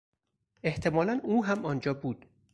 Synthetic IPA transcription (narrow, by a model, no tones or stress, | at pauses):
e̞ht̪ʰe̞mɒːlænuːɦæmɒːnd͡ʒɒːbuːd̪̥